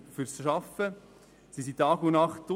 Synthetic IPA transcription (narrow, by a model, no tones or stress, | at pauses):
fyɾsʃɑfə | sisit̪ɑːɡʊnɑχtʊ